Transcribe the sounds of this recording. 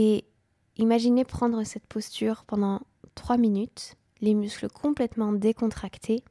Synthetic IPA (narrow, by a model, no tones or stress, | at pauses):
e | imaʒinepχɑ̃d̪ʁəsɛt̪pʰɔst̪yʁpɑ̃d̪ɑ̃ | t̪χwaminyt̪ | lemyskləkʰɔ̃plɛt̪mɑ̃d̪ekɔ̃t̪χakt̪ʰe